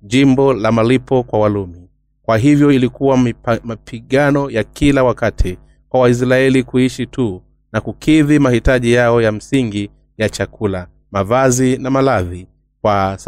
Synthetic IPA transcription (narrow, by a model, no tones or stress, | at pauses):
ʄimbɔlamalipɔkwawalumi | kwaɦivjɔilikuwamapʰiɠanɔjakilawakatʰi | kwawais̬ɾaɛlikuiʃitʰu | nakukʰiðimahitaʄijaɔjam̩siŋɡi | jat͡ʃakʰula | mavazinamalaði | kwas